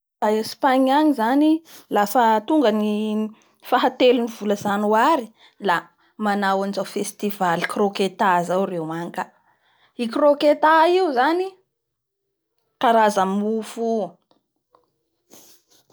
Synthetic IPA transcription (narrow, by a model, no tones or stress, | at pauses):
aespaɲanizanilafət̪uŋɡəni | faɦat̪elunivuləzanuaɾi | la | manawanizawfest̪ivalikroket̪azawrewaŋka | ikroket̪aiwzani | kaɾazəmufu